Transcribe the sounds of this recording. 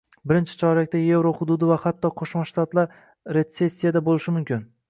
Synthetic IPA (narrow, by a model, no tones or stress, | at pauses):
bɪɾɪnt͡ʃʰɪ̥t͡ʃʰɒɾlɪk̚ʲt̪aje̞vɾohʊd̪ʊd̪ɪvahat̪ːɒqʰoʃmaʃt̪at̪laɾ | ɾe̞t̪se̞sʲːijad̪abolɪʃɪmʊmkʲɪn